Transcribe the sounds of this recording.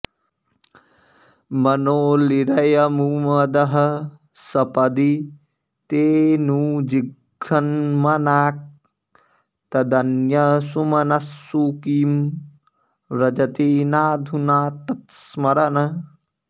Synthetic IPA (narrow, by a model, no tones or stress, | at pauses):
mɐnoːliɾɐjɐmuːmɐd̪ɐɦɐ | sɐpɐd̪i | t̪eːnuːd͡ʒiɡ | ɾɐnmɐnaːk̚ | t̪ɐd̪ɐnjɐsumɐnɐsːuːkiːm | ɾɐd͡ʒɐt̪eːnaːd̪ʱunaːt̪ɐt̪smɐɾɐnɐ